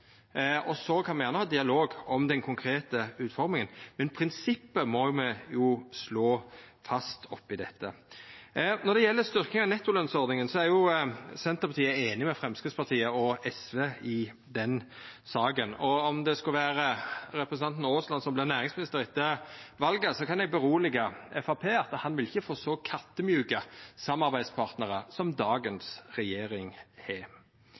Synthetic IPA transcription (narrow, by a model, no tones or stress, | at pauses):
ɔsɔkʰɑnmɛjæːnəhɑːd̪ɪɑloːɡɔmd̪ɛnkʰʊŋkʰɾeːt̪əʉːt̪fɔɾmɪŋənmɛnpʰɾɪnsɪpːəmɔmɛjʊsloːfɑst̪ʰɔpːɪd̪ɛt̪ʰːə̰ | nɔd̪ɛjɛlːəst̪ʏɾknɪŋɑnɛt̪ːʊlœnsɔʁd̪nɪŋənsɔæɾjʊsɛnt̪əɾpɑt̪ʰiːəeːnɪmɛfɾɛmskɾɪtspɑt̪ʰiːəɔɛsʋeːɪ | d̪ɛn | sɑːɡənɔɔmd̪ɛskɑlʋæːɾəɾɛpɾəsənɑnt̪noːslɑnsɔmblɪʁnæːʁɪŋsmɪnɪst̪əɾʁɪt̪ːəʋɑlɡəsɔkʰɑnɛɡ̚bəɾuːlɪɡəɛfɑpʰeːɑt̪ːhɑnʋɪlɪçːəfoːsɔkʰɑt̪ːəmjʉːkəsɑmːɑʁbæɪd̪spʰɑʁt̪nəʁəsɔmd̪ɑːɡənsɾɛjeːɾɪŋheː